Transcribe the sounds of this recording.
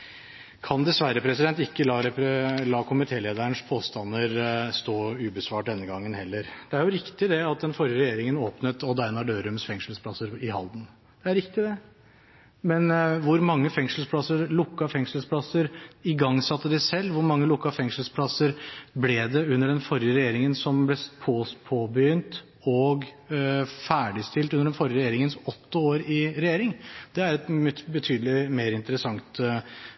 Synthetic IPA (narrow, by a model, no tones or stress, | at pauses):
kʰɑnd̪ɛsʋæɾːəpʰɾɛsɪd̪ɛnt̪ɪkːəlɑːɾɛpɾlɑːkʰʊmɪt̪ʰeːleːd̪əəɳʂpʰoːst̪ɑnːəɾst̪oːʉːbəsʋɑːʈ̚d̪ɛnːəɡɑŋːənhɛlːəɾd̪̥ɛæɾjʊɾɪkt̪ɪd̪ɛɑt̪̚d̪ɛnfɔɾjəɾɛjeːɾɪŋənoːpnət̪ɔd̪æɪnɑɖøːɾʉmsfɛŋslspʰlɑsːəɾɪhɑ̰ld̪n̩ | d̪̥ɛæɾɪkt̪ɪd̪ɛ | mɛnʋʊɾmɑŋːəfɛŋsl̩spʰlɑsəɾlʊkːɑfɛŋʂəlspʰlɑsːəɾɪɡɑŋːsɑt̪ːəd̪ɛsɛlːʋʊɾmɑŋːəlʊkːɑfɛŋʂəlspʰlɑsəɾblɛd̪ɛʉnːəɖɛnfɔɾjəɾɛjeːɾɪŋənsɔmblɛpʰospʰoːbəjʏnt̪ | ɔɡ | fæːɖɪst̪ɪlt̪ʉnəɖɛnfɔɾjəɾɛjeːɾɪŋənsɔt̪ːəoːɾɪɾɛjeːɾɪŋd̪̥ɛæɾɛt̪bət̪ʰyːd̪əlɪmeːɾɪnt̪əɾəsɑŋt̪